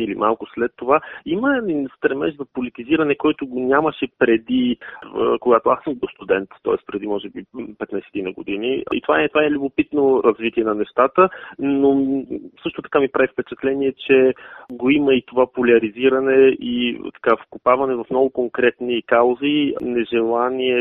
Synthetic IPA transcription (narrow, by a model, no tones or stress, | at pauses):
ilimʔalˠkʊslɛt̪ːovaiməɛd̪inst̪ɾɛmɛ̰ʃzɐpolit̪iziɾɐnɛkɔjt̪ʊɡonʲaməʃɛpɾɛd̪i | koɡat̪oasəmd̪ost̪ud̪ɛnt̪ːɔ̰ɛspɾɛd̪imɔʒɛbipɛt̪najsɛ̥t̪inɐɡod̪iniḭt̪ovaɛt̪ovaɛlʲubopit̪noɾɐzvit̪iɛnɐnɛʃt̪at̪ənosɤʃt̪ot̪ɐ̥kamipɾavifpɛt͡ʃɛt̪lɛniɛt͡ʃɛɡoiməit̪ovapolʲɐɾiziɾɐnɛit̪ɐ̥kafkʊpavɐnɛvɐfnɔɡʊkoŋkɾɛt̪nikalˠzinɛʒɛlˠaniɛ